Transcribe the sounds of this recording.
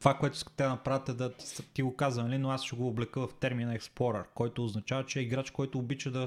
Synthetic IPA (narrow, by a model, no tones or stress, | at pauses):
vakoɛt̪ʊ̥skɐ̥t̪ɛd̪ɐnɐpɾavət̪ɛd̪ɐst̪iɡokazənɐlinoasʃɛɡoːblɛkɤvɐft̪ɛɾminɐɛksplˠɔɾɛ̰ɾkɔjt̪oːznɐt͡ʃavət͡ʃɛɛiɡɾat͡ʃkɔjt̪oːbit͡ʃəd̪ɐ